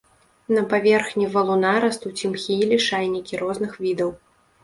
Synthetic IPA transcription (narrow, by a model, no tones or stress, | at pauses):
nɐpavʲɛrxnʲivɐlˠunaɾɐst̪ut͡sʲimxʲijilʲiʂajnʲikʲiɾɔznɨxvʲid̪ɐw